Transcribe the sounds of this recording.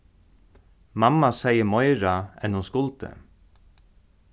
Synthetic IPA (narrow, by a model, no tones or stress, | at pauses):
mamːasejəmɔjɾaɛ̰nhʊnskʊlt̪ə̰